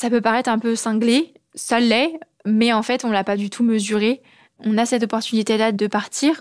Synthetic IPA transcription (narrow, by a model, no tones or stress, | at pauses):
sapøpaʁɛt̪χɛ̃pøsɛ̃ɡle | sœlːɛ | mɛɑ̃fɛt̪ɔ̃lapad̪yt̪ʰuməzyʁe | ɔ̃nasɛt̪ɔpɔʁt̪ynit̪elad̪əpaʁt̪ʰiːʁ